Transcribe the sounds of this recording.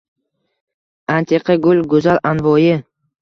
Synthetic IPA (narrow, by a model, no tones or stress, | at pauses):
ant̪ʰe̞qʰɑɡʊlɡʊzalanvɒjɪ